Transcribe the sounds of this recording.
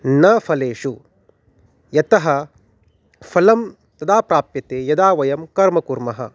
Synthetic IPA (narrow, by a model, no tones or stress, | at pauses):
nɐfʰɐleːʂu | jɐt̪ɐɦɐ | fʰɐlɐm | t̪ɐd̪aːpɾaːpjɐt̪eːjɐd̪aːʋɐjɐmkɐɾmɐkuɾmɐɦɐ̰